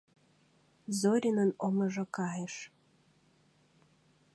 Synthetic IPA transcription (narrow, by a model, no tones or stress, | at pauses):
zoɾʲinənomɤ̆ʒɤ̆kɑjeʃ